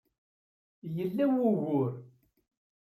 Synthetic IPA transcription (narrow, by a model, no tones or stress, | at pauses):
jəlːæwʊʝʊɾ